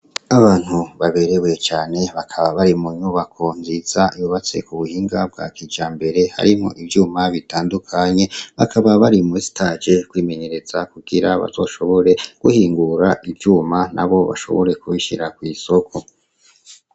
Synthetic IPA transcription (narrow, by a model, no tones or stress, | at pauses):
aβaːn̥huβaβe̞ɾewe̞t͡ʃaːne̞βakʰaβaβaɾimuɲuβakʰo̞nziz̥aiβuβat͡se̞̰kuβuhiːŋɡab̚ɡa̰kid͡ʒaːmbe̞ɾe̞ha̰ɾimo̞̰ʔibjuːmaβitaːndukʰaɲe̞βakʰaβaβaɾimusi̥tad͡ʒe̞kwiːme̞ɲe̞ɾe̞z̥akuɡ̥iɾaβa̰z̥o̞ːʃo̞βo̞ɾe̞ɡ̥uhiːŋɡuɾaʔibjuːmanʔa̰βo̞βa̰ʃo̞̰βo̞ɾe̞kuiʃḭɾakwiːso̞kʰo̞